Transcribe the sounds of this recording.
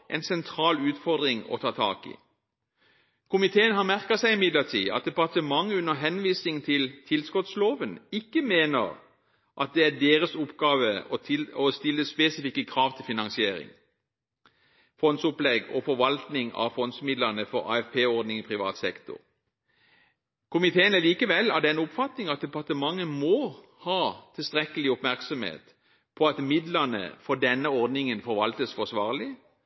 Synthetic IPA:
ʔɛ̰nsɛnt̪ʰʁɑːlʉːt̪fɔʁd̪ʁɪŋɔ̰t̪ʰɑːt̪ʰɑːkḭː | kʰʊmɪt̪ʰeːənɦhɑʁmæʁkɑsæɪɪmɪd̪ləʁtʰḭːɑ̰t̪̚d̪ɛpɑʁt̪əmɑŋːʉnːəɦɛnʋiːsnɪŋt̪ʰɪlt̪ʰɪlskɔt̪sloːʋənɪkːəmeːnəʁ | ʔɑt̪̚d̪ɛæd̪eːʁəsʊpɡɑːʋəɪɔst̪ɪlːəspɛsɪfɪkːəkʰʁɑːʋt̪ʰɪlfɪnɑŋsɪeːɾɪ̰ŋ | fɔnd̪sʊplɛɡɔfɔɾʋɑlt̪nɪŋɑ̰fɔnd̪smɪd̪lənəfɔɾɑ̰ːɛfpʰeːɔʁd̪nɪŋɪpʰʁɪʋɑ̰ːt̪sɛkt̪ʊ̰ʁ | kʰʊmɪt̪ʰeːənæliːkəʋɛlːɑ̰d̪ɛnʊpfɑt̪nɪŋɑt̪̚d̪ɛpɑʁt̪əmɑŋːəmɔ | hɑːt̪ʰɪlst̪ʁɛkəlɪʊpmæʁksɔmḛːt̪ | pʰɔɑt̪mɪd̪lənə̰fɔʁd̪ɛnːəɔʁd̪nɪŋənfɔɾʋɑlt̪əsfɔsʋɑːʁlɪ

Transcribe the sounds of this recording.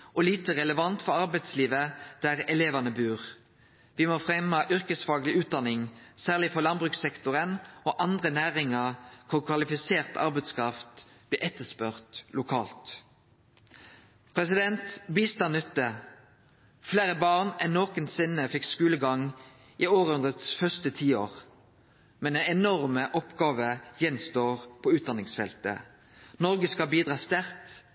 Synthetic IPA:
ɔliːt̪əʁɛləʋɑnt̪fɔʁɑʁbɛɪt̪sliːʋəd̪̥æʁɛleːʋɑnəbʉːʁ | ʋɪmoːfʁɛmːəʔʏʁkəsfɑːɡəlɪʉːt̪̚d̪ɑnɪŋsæːʁlɪfɔlɑnbʁʉːksɛkt̪ʊʁənʔoːʔɑnd̪ʁənæːʁɪŋɑkʰʊʁkʰʋɑlɪfɪseːʁt̪ʰɑ̰ʁbɛɪt̪skʰɾɑft̪ | bliːʔɛt̪ːəspœʁt̪lʊkʰɑ̰ːlt̪ | pʰʁɛsɪd̪ɛnt̪biːst̪ɑnʉt̪ːə | fleːʁəbɑʁnɛnːoːkənsɪnːəfɪkskʉːləɡɑŋ | ʔioːʁʉnd̪ʁət̪sfœʁst̪ət̪ʰiːoːʁ | mɛnɛɪɛnɔʁməʔɔpɡɑːʋəjɛnst̪oːʁpʰɔʉːt̪̚d̪ɑnɪŋsfɛ̰lt̪ə̰ | nɔʁɡəskɑbiːd̪ʁɑːst̪æʁtt̪

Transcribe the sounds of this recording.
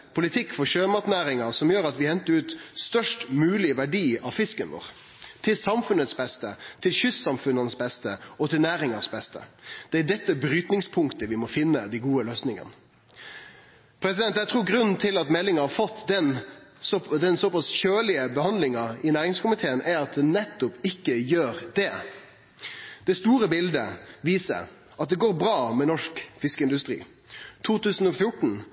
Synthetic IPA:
pʰʊlɪt̪ʰɪkːfɔɾɕøːmɑt̪næːɾɪŋɑsɔmjøːɾɑt̪ʋɪhɛnt̪əɾʉːt̪st̪œʂʈmʉːlɪʋæɖiːɑʋfɪskənʋo̰ːʁ | t̪ʰɪlsɑmfʉnət̪sbɛst̪ə̰t̪ʰɪlɕʏssɑmfʉnɑnəsbɛst̪əɔt̪ʰɪlnæːɾɪŋɑsbɛst̪ə̰d̪̥ɛæd̪ɛt̪ːəbɾyːt̪nɪŋspʰʊŋkt̪əʋɪmɔfɪnːəd̪æɡuːəløːsnɪŋə̰n | pʰɾɛsɪd̪ɛnt̪jæt̪ʰɾuːɡɾʉnːn̩t̪ʰɪlɑt̪mɛlːɪŋəɾhɑɾfɔt̪ːd̪ɛnsɔd̪ɛnsɔpɑsçøːlɪəbəhɑnd̪lɪŋɑɪnæːɾɪŋskʊmɪt̪ʰeːənʔæɾɑt̪̚d̪ɛnɛt̪ːʊpɪkːəjøːɾd̪ɛ | d̪̥ɛst̪uːɾəbɪld̪ə̰ʋiːsə̰ɾ | ʔɑt̪̚d̪ɛɡoːɾbɾɑːmɛnɔʂkfɪskəɪnd̪ʉst̪ɾḭː | t̪ʰuːt̪ʉːsn̩ɔfjʊʈɳ̩

